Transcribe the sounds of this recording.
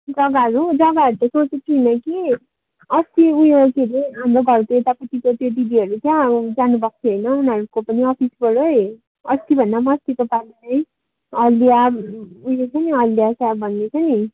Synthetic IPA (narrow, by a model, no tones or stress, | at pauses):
d͡zʌɡaʌɾud͡zʌɡaʌɾut̪asot͡set̪ʰinʌki | ʌst̪iujokeleɦamɾoɡʱʌɾk̪oet̪apʌt̪ikot̪joɖibiʌɾut͡sjãd͡zanubʌk̚t͡sʰʌɦʌjnʌunʌɾukopʌniʌpʰisbʌɽoe | ʌst̪ibʱʌnːamʌst̪ikopalinʌj | ʌliabujet͡sʰʌniʌlːjasabbʱʌnːet͡sʰʌni